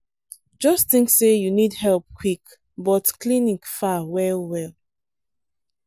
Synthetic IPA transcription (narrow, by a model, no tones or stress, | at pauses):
d͡ʒɔstθĩŋksejunidhɛlp̚kʰwik | bɔtklinikfawɛlwɛl